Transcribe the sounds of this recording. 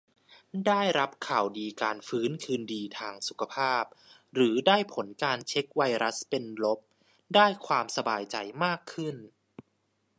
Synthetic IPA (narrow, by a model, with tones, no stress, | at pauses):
daː˥˩jɾa˦˥p̚kʰaː˨˩wdiː˧kaː˧nfɯː˦˥nkʰɯː˧ndiː˧t̪ʰaː˧ŋsu˨˩kʰa˧pʰaː˥˩p̚ | ɾɯː˩˦daː˥˩jpʰo˩˦nkaː˧nt͡ɕʰe˦˥k̚wa˧jɾa˦˥spe˧nlo˦˥p̚ | daː˥˩jkʰwaː˧msa˧baː˧jt͡ɕa˧jmaː˥˩kʰːɯ˥˩n